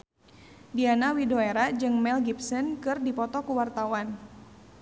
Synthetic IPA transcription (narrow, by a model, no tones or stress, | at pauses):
dianawidoeɾad͡ʒɨŋmɛlɡipsənkɨrdipɔt̪ɔkuwart̪awan